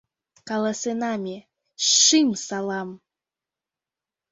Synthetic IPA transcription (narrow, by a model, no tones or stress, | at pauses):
kɑlˠɑsenɑmʲe | ʃɨmsɑlˠɑm